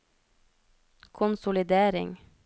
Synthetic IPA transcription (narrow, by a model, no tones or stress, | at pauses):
kʰʊnsʊlɪd̪eːɾɪ̰ŋ